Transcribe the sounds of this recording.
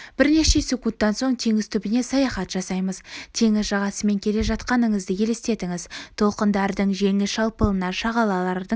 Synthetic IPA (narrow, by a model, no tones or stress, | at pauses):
b̥ɪɾne̞ʃe̞sʲekunt̪ːɑnso̞ɴt̪ʰe̞ŋɪzt̪ʰʏbɪne̞sɑjɑχɑt̪ʒ̥ɑsɑjməzt̪ʰe̞ŋɪzʒɑʁɑsəme̞ŋkʲʰe̞le̞ʒɑt̪qɑnəɴəzd̪əkʲʰe̞lest̪e̞t̪ɪŋɪzt̪ʰo̞lˠqənd̪ɑɾd̪əɴʒe̞ŋɪzʃɑlˠpəlˠənɑʃɑʁɑlˠɑlˠɑɾd̪ə